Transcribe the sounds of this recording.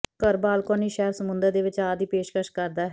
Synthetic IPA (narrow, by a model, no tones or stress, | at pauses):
kəɾbaːlkaːniːʃɛːɾsəmʊnd̪əɾd̪eːʋɪt͡ʃaːd̪iːpeːʃkəɾʃkəɾd̪aːɦ